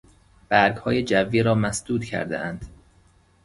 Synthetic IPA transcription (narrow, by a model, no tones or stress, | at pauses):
b̥æɾɡhɒːjed͡ʒævːiːɾɒːmæsd̪̥uːd̪̥cʰæ̰ɾd̪ḛʔænd̪̥